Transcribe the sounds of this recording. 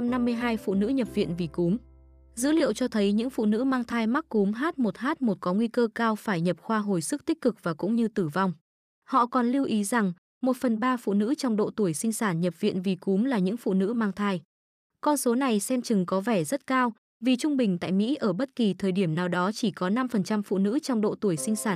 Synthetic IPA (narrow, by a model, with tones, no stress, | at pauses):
mna˧mːɨ˧əjɦaː˧jfṵ˧˨nɨ̰˧˥ɲə˨˩p̚vḭ˧˨ənvi˨˩ku˨˦m | zɨ̰˧˥lḭ˧˨əwt͡ɕɔ˧t̪ʰə˨˦jɲɨ̰˧˥ŋfṵ˧˨nɨ̰˧˥maː˧ŋt̪ʰaː˧jma˦˥k̚ku˨˦mɦaː˦˥t̚mo˨˩t̚haː˦˥t̚mo˨˩t̚kɔ˨˦ŋwi˧kəː˧kaː˧wfaː˧˩jɲə˨˩p̚xwaː˧ɦo˨˩jsɨ˦˥k̚t̪i˦˥k̟̚kɨ˨˩k̚vaː˨˩kʊ̰˧˥ŋ͡mɲɨ˧t̪ɨ˧˩va˧wŋ͡m | hɔ̰˧˨kɔ˨˩nli˧wʔi˨˦za˨˩ŋ | mo˨˩t̚fə˨˩nɓaː˧fṵ˧˨nɨ̰˧˥t͡ɕɔ˧wŋ͡mɗo̰˧˨t̪u˧˩əjsï˧ŋ̟saː˧˩nɲə˨˩p̚vḭ˧˨nvi˨˩ku˨˦mlaː˨˩ɲɨ̰˧˥ŋfṵ˧˨nɨ̰˧˥maː˧ŋt̪ʰaː˧j | kɔ˧nso˨˦na˨˩jsɛ˧mt͡ɕɨ˨˩ŋkɔ˨˦vɛ˧˩zə˦˥t̚kaː˧w | vi˨˩t͡ɕʊ˧ŋ͡mɓï˨˩ŋ̟t̪a̰ː˧˨jmḭ˧˥ʔəː˧˩ɓə˦˥t̚ki˨˩t̪ʰəː˨˩jɗi˧˩əmnaː˨˩wɗɔ˨˦t͡ɕi˧˩kɔ˨˦na˧mfə˨˩nt͡ɕa˧mfṵ˧˨nɨ̰˧˥t͡ɕɔ˧wŋ͡mɗo̰˧˨t̪u˧˩əjsï˧ŋ̟saː˧˩n